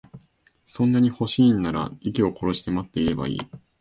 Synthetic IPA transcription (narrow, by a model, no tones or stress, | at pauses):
sõ̞nːaɲ̟iho̞ɕiːnːaɾa̰ikʲio̞ko̞ɾo̞ɕi̥t̪e̞mat̪ːe̞iɾe̞ba̰ḭː